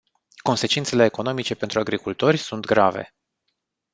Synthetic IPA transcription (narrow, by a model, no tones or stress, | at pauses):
ko̞nse̞t͡ʃint̪se̞le̞ːko̞no̞mit͡ʃe̞pe̞nt̪ɾuaɡɾikult̪o̞rʲsunt̪ɡɾave̞̰